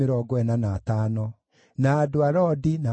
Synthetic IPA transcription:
eɾɔːɡɔɛnanaːtaːnɔ | naːdoaɾɔdina

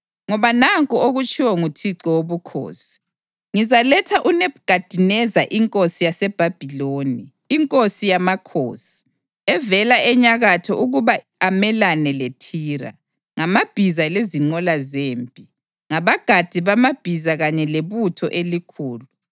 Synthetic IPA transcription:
ŋɔβanaŋkʼɔoɣut͡ʃʼiwɔŋutʰiǁɔwoβukʰo̰ːsi̥ | ŋizalɛtʰaʔuneβɡ̥ʱad̥ʱinɛzaʔiŋkʼosijasɛb̥ʱab̥ʱiloːniː | ŋkʼosijamakʰo̰ːsi̥ | ɛvɛlaʔɛɲaɣatʰɔʔuɣuβa | amɛlanɛletʰiːɾa̰ | ŋamab̥ʱizaleziŋ͡ǃɔlazeːmpʼi | ŋaβaɡ̥ʱad̥ʱiβamab̥ʱizaɣaɲɛleβutʰɔ̰ʔelikʰuːlu

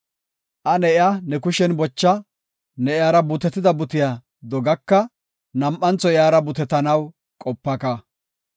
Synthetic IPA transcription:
ʔɐnɛʔɪanɛkʊʃɛnbɔt͡ʃːɐ | nɛɪjaːɾɐbʊt̪ɛt̪ːɪd̪ɐbʊt̪ɪja | d̪ɔɡɐkːɐ | nɐmʔːɐnt͡sɔjɪjaːɾɐbʊt̪ɛt̪ːɐnɐw | kʼɔpːɐka

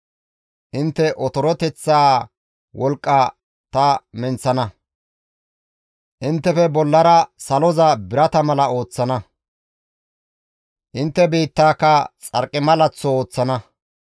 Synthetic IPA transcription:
ʔɪnt̪ːɛʔɔt̪ɔɾɔt̪ɛt͡sːaː | wɔlkʼːɐ | t̪ɐmɛnt͡sːɐnɐ | ʔɪnt̪ːɛfɛbɔlːɐɾɐsɐlɔzɐbɪɾɐt̪ɐmɐlɐo̞ːt͡sːɐnɐ | ʔɪnt̪ːɛbiːt̪ːaːkːɐt͡sʼɐ̰ɾkʼːɪmɐlɐt͡sːɔoːt͡sːɐnɐ

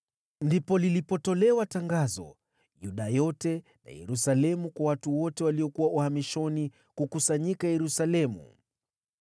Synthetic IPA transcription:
ndipɔlilipɔtɔlɛwataŋɡazɔ̰ | juɗajɔtɛ | na̰jɛ̰ɾusalɛmukwawatuwɔtɛwaliɔkuwaʔuhamiʃɔni | kukusaɲikajɛɾusalɛmṵ

